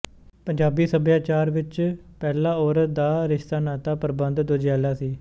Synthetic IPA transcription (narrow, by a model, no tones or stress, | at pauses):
pəɲd͡ʒaːbiːsəbjaːt͡ʃaːɾʋɪt͡ʃ | pɛːlãːɔːɾd̪aːɾɪʃt̪aːnaːt̪aːpəɾbə̃nd̪d̪od͡ʒaːlaːsiː